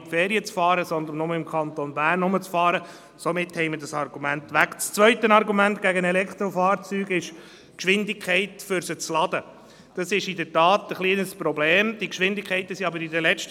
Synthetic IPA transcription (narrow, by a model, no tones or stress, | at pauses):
tfeːɾiət͡sfɑːɾəsɔnd̪ənmnʊməɪmkʰɑnt̪onbæːrnːʊmət͡sfɑːɾə | somɪthɛɪmədɑsɑrɡumænt̪ʋækt͡st͡sʋœʏt̪ənɑɾɡumæntɡ̥æɡənɛlɛkχt̪ɾɔfɑːɾt͡syːɡɪʃ | kʃʋɪnd̪ɪkʰɛɪtfʏɾsət͡slɑd̥̪ə | d̥ɑsɪʃɪdətɑːt̪əχliːənəspɾɔbleːmd̥̪ikʃʋɪndɪkʰχɛɪt̪əsiɑbəɾidəlɛt͡ʃt